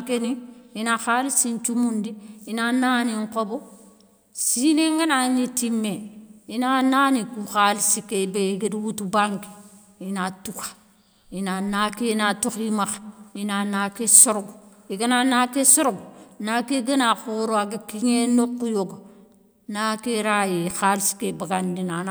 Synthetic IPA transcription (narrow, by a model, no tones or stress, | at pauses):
keniinaxalisint͡ʃumundiinananiŋkobo | sineŋɡanaɲitimːeinanaːnikuxalisikebeiɡediwutubaŋki̥ | inatukḁ | inanakenatuximaxinanakesuɾɡ | iɡənanakesuɾɡnakeɡənaxuɾoaɡekiɲenokːujoɡo | nakeɾajixalsi̥kebaɡandinan